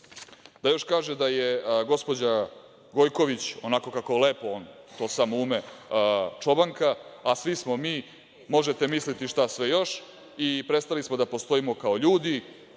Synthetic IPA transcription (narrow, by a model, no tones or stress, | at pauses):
d̪ajo̞ʃkaːʒed̪aje̞ɡo̞spo̞d͡ʑa | ɡo̞jko̞ʋit͡ɕo̞nako̞kakole̞ːpo̞oːn | t̪o̞ːsamouːme̞ | t͡ʂo̞baŋkaasʋismo̞miː | mo̞ʒe̞t̪e̞mislit̪iʃt̪asʋejo̞ʃ | ipɾet̪st̪alismo̞d̪apo̞st̪o̞imokao̞ʎuːd̪i